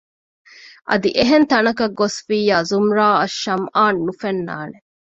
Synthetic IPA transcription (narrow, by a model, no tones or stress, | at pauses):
ʔɐ̰d̪iʔeɦent̪ɐnɐkɐɡːosfiːjaːzumɾaːɐʃːɐmaːnːufenːa̰ːne